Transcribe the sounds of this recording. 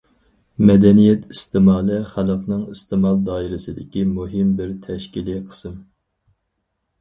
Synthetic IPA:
mɛd̪ɛnijɛt̪ʰist̪ɨmɑːlˠɛχælˠəqnɨŋist̪ɨmɑlˠd̪ɑːiɾɪsɨd̪ɪkʲimuɦɪmbɪɾt̪ʰɛʃkʲiliqʰə̥sɨm

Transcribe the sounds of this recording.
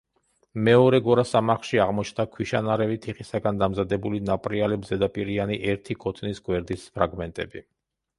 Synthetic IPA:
mɛɔɾɛɡɔɾasamaχlʃiaʁmɔt͡ʃʰnd̪akʰwiʃanaɾɛvit̪ʰiχisaɡand̪amzad̪ɛbulinapʼɾialɛbzɛd̪apʼiɾianiʔɛɾt̪ʰikʰɔt̪ʼʰnisɡwɛɾd̪ispʰɾaɡmɛnt̪ʼɛbi

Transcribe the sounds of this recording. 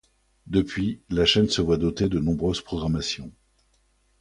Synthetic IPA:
d̪əpɥilaʃɛnsəvwad̪ot̪ed̪ənɔ̃bʁøz̥pχɔɡʁamasjɔ̃

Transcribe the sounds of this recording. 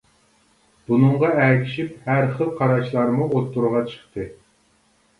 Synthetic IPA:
b̥unɨɴʁɑækʲʰi̥ʃip̚hæɾχəlˠqʰɑɾɑʃlˠɑɾmuot̪ːuɾʁɑt͡ʃʰə̥χt̪ʰɨ

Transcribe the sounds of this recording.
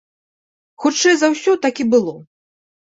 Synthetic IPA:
xut͡ʂɛjzɐwsʲɔt̪akʲibɨlˠɔ

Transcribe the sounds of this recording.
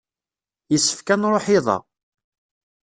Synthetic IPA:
jəsːə̥fkænɾˤoħɪðˤɑ̰

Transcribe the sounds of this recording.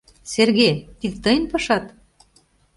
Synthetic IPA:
serɣet̪id̪t̪ɤjnpɤʃɑt̪

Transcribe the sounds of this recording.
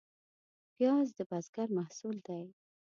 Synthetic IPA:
pjɑzd̪əbazɡaɾmahsuld̪aj

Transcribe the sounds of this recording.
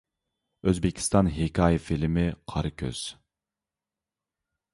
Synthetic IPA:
øzbɪkʲʰi̥st̪ɑnɦekʲʰɑːjifilmɪqʰɑɾɨkʲʰø̰z̥

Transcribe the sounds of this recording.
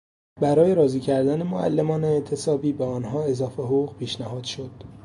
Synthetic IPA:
bæɾɒːje̞ɾɒːziːcʰæɾd̪æne̞moæ̰lːe̞mɒːneːʔt̪ʰe̞sɒːbiːbeɒːnɦɒːe̞zɒːfeɦoɣuːɣpʰiːʃnæhɒːd̪̥ʃo̞d̪̥

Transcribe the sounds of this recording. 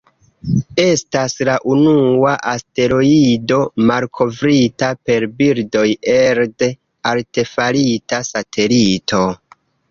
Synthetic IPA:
e̞staslaʔunuaʔaste̞ɾo̞ido̞malkʰo̞vɾitape̞ɾbiɾdo̞jeɾde | alte̞falitasatʰe̞litʰo̞

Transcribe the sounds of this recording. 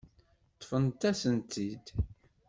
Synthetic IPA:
t̪ːfənt̪æsənt̪id̪

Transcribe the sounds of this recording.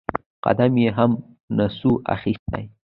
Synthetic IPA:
qa̰d̪amjeɦam | nasuʔa̰xist̪a̰j

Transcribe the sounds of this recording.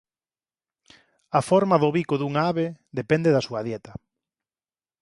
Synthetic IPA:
afɔɾmaðʊβikoðuŋaaβeðepɛnd̪eðasuɐðjɛt̪ɐ

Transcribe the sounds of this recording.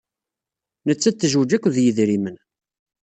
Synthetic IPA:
nət͡sːæt͡s̪ːəʒwd͡ʒækʷːðjəðɾimən

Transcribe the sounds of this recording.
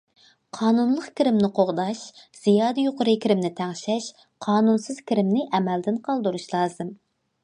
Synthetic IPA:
qʰɑːnunlˠəqkʲiɾɪmnɪqʰoʁd̪ɑʃz̥ijɑːd̪ɨjoqʊɾɨkʲʰiɾɪmnɪt̪ʰæŋʃɛʃ | qʰɑːnunsɨz̥kʲʰiɾɪmnɪʔɛmɛld̪ɪnqʰɑlˠd̪uɾuʃlˠɑːzɨm

